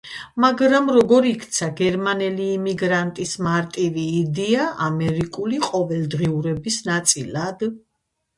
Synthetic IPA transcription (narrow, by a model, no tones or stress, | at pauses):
maɡɾamɾɔɡɔɾikʰt̪sʰaɡɛɾmanɛliːmiɡɾant̪ʼismaɾt̪ʼiviːd̪ɛaamɛɾikʼuliqʼɔvɛlˠd̪ʁiuɾɛbisnat̪sʼilad̪